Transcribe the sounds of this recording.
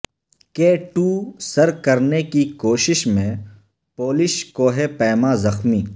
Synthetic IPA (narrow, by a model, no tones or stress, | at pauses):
keːʈuːsɐɾkɐɾnekikoːʃɪʃmẽ | poːlɪʃkoːɦepɛːmaːzɐxmiː